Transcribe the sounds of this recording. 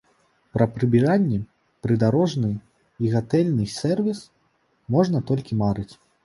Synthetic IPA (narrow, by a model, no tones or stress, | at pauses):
pɾɐpɾɨbʲiɾanʲːɛ | pɾɨd̪aɾɔʐnɨ | iɣat̪ɛlʲnɨsʲɛrvʲis | mɔʐn̪ɐt̪ɔlʲkʲimaɾɨt͡sʲ